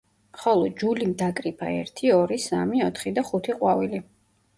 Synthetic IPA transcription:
χɔlˠɔd͡ʒulimd̪akʼɾipʰa̰ɛ̰ɾt̪ʰiɔɾisa̰miɔt̪ʰχid̪aχut̪ʰiqʼwavili

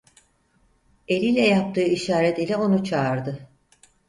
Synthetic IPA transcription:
e̞lʲiːlʲɛjap̚t̪ʰɯːiʃaːɾɛt̪ilʲɛo̞nut͡ʃʰaːɾd̪ɯ

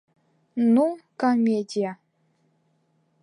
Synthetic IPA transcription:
nukomʲedʲija

